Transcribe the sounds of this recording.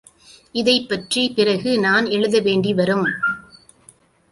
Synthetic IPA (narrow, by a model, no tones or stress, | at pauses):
ɪðɐɪpːɐʈripɪrɐɣɯnaːnɛɻɯðɐʋeːɳɖiʋɐɾɯm